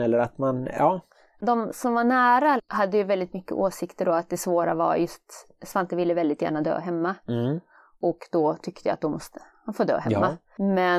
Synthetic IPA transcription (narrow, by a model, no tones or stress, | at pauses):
ɛlːəɾat̪manjɑː | d̪ɔmsɔmvaɳæːɾahad̪ːəjɵvɛld̪ɪt̪mʏkːə̰ʔoːsɪkt̪əɖɔat̪̚d̪ɛsvoːɾa̰va̰ɾjɵst̪ | svant̪əvɪlːəvɛld̪ɪt̪jæ̰ːɳad̪ø̰ːɦɛmːa | ʔɔkd̪ɔt̪ʰʏkt̪ʰəja̰t̪̚d̪ɔmɔst̪ə̥hanfoːd̪ø̰ːɦɛmːa | mɛ